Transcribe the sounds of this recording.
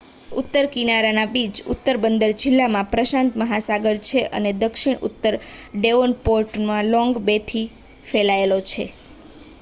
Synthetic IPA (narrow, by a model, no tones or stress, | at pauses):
ṵt̪ːəɾkinaɾanabid͡ʒʊ̰t̪ːəɾbənd̪əɾd͡ʒɪlːamãpɾəʃãnt̪məɦasaɡəɾt͡ʃʰeʔə̰ned̪əkʃiɽṵt̪ːəɾɖeʋonpoɾʈmãlɔ̃ŋɡbet̪ʰi | felaelot͡ʃʰḛ